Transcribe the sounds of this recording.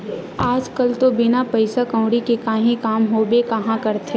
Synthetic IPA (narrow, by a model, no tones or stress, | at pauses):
aːd͡ʒkɐlt̪obɪnapɐɪsakɐ̃ʊ̃ɽikekaːɦĩkaːmɦoːbekɐɦãkɐɾt̪e